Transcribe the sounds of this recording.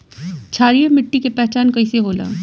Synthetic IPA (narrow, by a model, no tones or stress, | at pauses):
t͡ʃʰaːɾijemɪʈːikepɛɦt͡ʃaːnkɐiseɦoːla̰ː